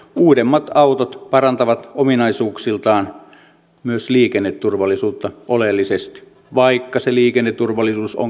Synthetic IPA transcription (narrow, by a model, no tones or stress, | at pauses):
uːdemːɑt̪ɑut̪ot̪pɑrɑnt̪ɑʋɑt̪ominɑisuːksilt̪ɑːn | myøsliːkenːet̪turʋɑlːˑisuːt̪ːɑʔolelːisest̪i̥ | ʋɑikːɑseliːkenːet̪ːurʋɑlːˑisuːso̰ŋ